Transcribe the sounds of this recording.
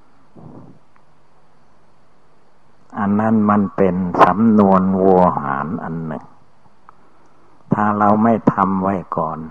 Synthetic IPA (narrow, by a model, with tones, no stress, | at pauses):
ʔa˨˩nːa˥˩˨nma˧˥˨npe˨nsa˨˦mnu˧ənwo˧ha̰ː˩˦nʔa̰˨nːɯ̰˨˩ŋ | t̪ʰaː˧˩ɾa˧wma˥˩jt̪ʰa˧mwa˥˩jkɔː˨˩n